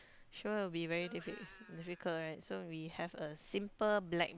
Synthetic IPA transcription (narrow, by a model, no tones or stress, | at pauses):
ʃuwibivɛɹidifitdifikʰəltɹaɪt̚sowihɛvəsĩmpəblɛ̰k̚